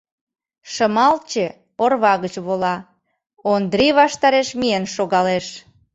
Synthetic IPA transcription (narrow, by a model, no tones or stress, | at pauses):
ʃəmɑlt͡ɕe | orβɑɣət͡ɕβolɑ | ond̪ɾiβɑʃt̪ɑɾeʃmienʃoɣɑleʃ